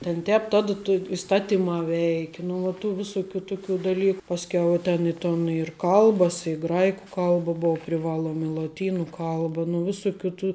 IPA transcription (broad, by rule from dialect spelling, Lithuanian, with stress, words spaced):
tʲɛn ˈtʲɛːp tɐt toː ɪsˈtɑːtʲɪmɑː ˈʋʲɛɪkʲɪ nʊ ˈʋɐ tuː ˈʋʲɪsʊˌkʲuː ˈtʊˌkʲuː dɐˈlʲiːk pɐsʲˈkʲɛʊ ɪ ˈtʲɛn ɪ ˈtoːn ɪr ˈkɐlˠbɐs ɪ ˈɡrɐɪkʊ ˈkɐlˠbɐ ˈboːʊ pʲrʲɪˈʋɑːlˠuɔm ɪ lˠoːˈtʲiːnʊ ˈkɐlˠbɐ nʊ ˈʋʲɪsʊkʲuː tuː